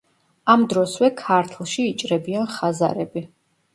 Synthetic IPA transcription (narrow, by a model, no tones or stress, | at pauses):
amd̪ɾɔswɛkʰaɾt̪ʰlˠʃiːt͡ʃʼɾɛbianχaza̰ɾɛbi